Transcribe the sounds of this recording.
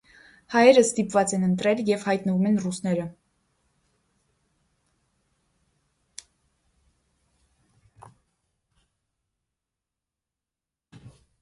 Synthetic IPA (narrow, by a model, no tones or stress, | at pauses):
hɑjɛɾəst̪ipvɑt͡sɛnənt̪ɾɛljɛvhɑjt̪nəvumɛnrusnɛɾə